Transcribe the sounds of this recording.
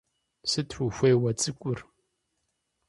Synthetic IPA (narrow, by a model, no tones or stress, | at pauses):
sɨtħʷuxʷeːwɐt͡sʼɨkʷʼʊr